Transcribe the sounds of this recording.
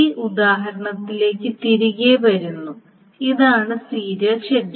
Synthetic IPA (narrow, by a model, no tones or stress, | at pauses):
iːʔud̪aːɦɐɾɐɳɐt̪ːile̞ːkʲːɨt̪iɾuɣeʋɐɾunːu | iðaːɳɨsiːɾɐt͡ɕed